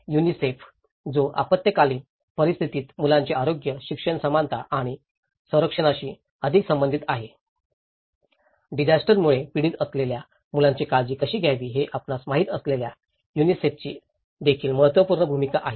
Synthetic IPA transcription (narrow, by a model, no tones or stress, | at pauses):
junisef | d͡zoʔa̰pət̪jəkaliː | pəɾist̪ʰit̪iːt̪mulãɲt͡ɕeaɾoɡjəɕikʂəɳsəmant̪ʰaʔaɽ̃i | sə̃w̃ɾəkʂəɽ̃aɕiː | əd̪ʱiksəmbənd̪ʱit̪aɦe | ɖid͡ʑasʈəɾmuɭepiɽiːt̪əslelja | mulãɲt͡ɕekad͡ʑiːkəɕiːɡʱjaʋiːɦeʔapnasmaɦiːt̪əslelja | junisefʰt͡ɕiː | d̪ekʰiːlməɦət̪ʋəpuɾɳəbʱumikaʔaɦe